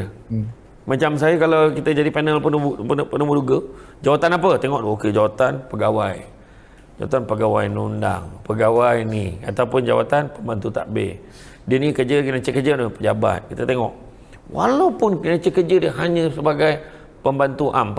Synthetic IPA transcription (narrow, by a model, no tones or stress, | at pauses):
mãt͡ʃams̬ajəkalawkit̪əd͡ʒadipanəlpənpənəmuduɡə | d͡ʒawat̪anap̬ət̪eŋɔʔdokəd͡ʒawat̪anpəɡawaj | d͡ʒawa̰t̪anpəɡawa̰jnunda̰ŋpəɡawajnḭa̰t̪awpʊnd͡ʒa̰wat̪anpəmbant̪ut̪a̰ʔbḛ | dənikəd͡ʒəkənãt͡ʃəkəd͡ʒənapəd͡ʒaba̰t̪̚kit̪ət̪eŋɔʔ | wa̰lawpʊnkənãt͡ʃəkəd͡ʒədəɦaɲə̃səbaɡaj | pəmbant̪uʔamp